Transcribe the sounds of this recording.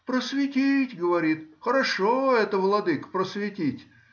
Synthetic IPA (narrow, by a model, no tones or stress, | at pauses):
pɾəsvʲɪtʲitʲɡəvɐɾʲit̪xəɾɐʂoɛt̪əvlˠɐd̪ɨkpɾəsvʲɪtʲitʲ